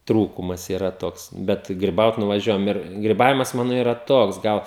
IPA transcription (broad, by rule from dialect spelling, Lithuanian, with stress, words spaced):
ˈtruːkʊmɐs iːˈrɐ ˈtoːks ˈbʲɛt ɡrʲɪˈbɐʊt nʊʋɐˈʒʲuɔjɛm ɪr ɡrʲɪˈbɑːʋʲɪmɐs ˈmɑːnoː ˈiːrɐ ˈtoːks ˈɡɐlˠ